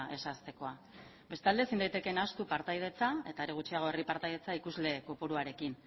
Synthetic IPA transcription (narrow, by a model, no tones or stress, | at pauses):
ʔe̞sast̪e̞ko̞a | be̞st̪ald̪esind̪ajt̪e̞kenast̪upaɾt̪ajð̞e̞t͡sae̞t̪aeɾeɣ̞ut͡ʃiaɣ̞o̞eripaɾt̪ajðe̞t͡saikuzle̞kopuɾuaɾe̞kin